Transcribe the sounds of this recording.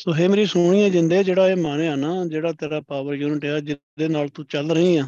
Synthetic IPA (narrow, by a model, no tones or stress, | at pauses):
soːɦeːmeːɾiːsʊɳ̃iːãːd͡ʒɪnd̪eːd͡ʒeːɽaːeːmaːneːaːnaːd͡ʒeːɽaːt̪eːɾaːpaːʋəɾjuːnɪʈeːaːd͡ʒɪ | d̪eːnaːlt̪ũːt͡ʃəlɾəɦiːãː